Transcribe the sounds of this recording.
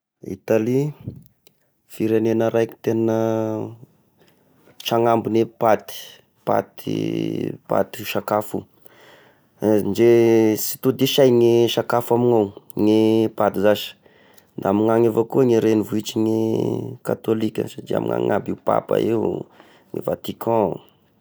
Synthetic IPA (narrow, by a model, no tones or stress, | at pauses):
ḭt̪ali | fiɾenenəɾʔajki̥t̪enə | ʈ͡ʂaŋambunepat̪i̥ | pa̰t̪ḭpa̰t̪i̥ʃakafṵ | d͡ʒesi̥t̪ud̪iʃajŋeʃakafamiŋawŋepat̪izaʃə̥ | nd̪aamiŋaŋevakuəŋeɾenivuit͡ʃiŋekat̪olikʲə̰satia̰mḭŋa̰ŋa̰biupa̰pa̰ew | ŋḛvat̪ikʰɔ̃